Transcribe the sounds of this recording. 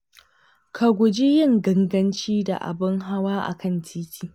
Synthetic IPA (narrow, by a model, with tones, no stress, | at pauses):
kʰa˨ɡʷʊ˨d͡ʒi˦jɪ˦˨ŋɡɐ˦ŋɡɐ˦nt͡ʃiː˦da̰˨ʔa̰˨bɪ˦ŋɦa˦waː˦ʔa̰˨kʰɐ˦ntʰiː˦kʰʲiː˨